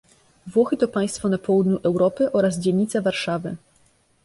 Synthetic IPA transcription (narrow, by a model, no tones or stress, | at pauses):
vwɔxɘt̪ɔpaj̃st̪fɔnapʰɔwud̪ɲuʔɛwɾɔpɘʔɔɾazd͡ʑɛɲːit̪savaɾʂavɘ